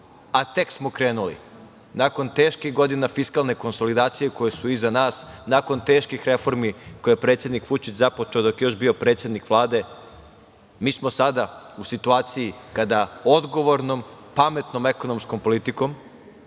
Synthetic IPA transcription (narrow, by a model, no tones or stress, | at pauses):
at̪e̞ksmo̞kɾe̞ːnulḭ | nako̞nt̪e̞ːʃkixɡo̞d̪inafiskalne̞ko̞nso̞lid̪aːt̪sijeko̞jesuizanaːsnako̞nt̪e̞ːʃkixɾe̞fo̞ɾmikojepɾet̪sʲjed̪nikʋut͡ʃit͡ɕzapot͡ʃeod̪okjeo̞ʃbio̞pɾet̪sje̞d̪nikʋlˠaːd̪e̞ | miːsmo̞sad̪ausit̪uaːt̪sijikad̪aod̪ɡo̞ʋo̞ɾnompame̞t̪no̞me̞ko̞no̞msko̞mpo̞lit̪iko̞m